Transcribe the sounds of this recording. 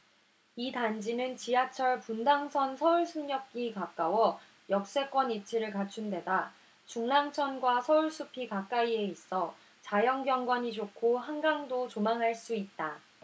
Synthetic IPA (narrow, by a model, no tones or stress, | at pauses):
itand͡ʑinɯnt͡ɕiɦat͡ɕʰʌɭpundaŋsʰʌnsʰʌuɭsʰuŋɲʌk̚k͈ikak͈awʌ | jʌk̚s͈e̞k͈wʌnit͡ɕʰiɾɯɭkat͡ɕʰunde̞da | t͡ɕuŋnaŋt͡ɕʰʌnɡwasʰʌuɭs͈ʰupʰikak͈aie̞is͈ʰʌ | t͡ɕajʌŋɡjʌŋɡwʌɲid͡ʑʰokʰoɦanɡaŋdot͡ɕomaŋɦaɭs͈uit̚t͈a